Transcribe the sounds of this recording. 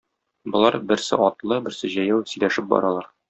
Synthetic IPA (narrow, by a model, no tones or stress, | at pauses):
bŏlˠɑɾbɘ̆ɾsɘ̰ʔɒt̪lˠɤbɘ̆ɾsɘʑæjæwsɵ̆jlæʃɘp̚bɒ̰ɾɑlˠɑɾ